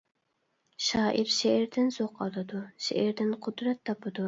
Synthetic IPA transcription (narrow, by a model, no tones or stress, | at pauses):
ʃɑːʔiɾʃeːɾd̪ɪnzoqʰɑlˠɨd̪uʃḛʔɛɾd̪ɪnqʰʊd̪ɾɛt̪ʰːɑpʰɨd̪u